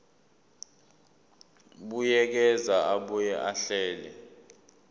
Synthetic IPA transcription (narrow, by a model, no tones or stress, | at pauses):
ɓujɛk̬ɛzaaɓɔjɛʔaɬɛːlɛ̰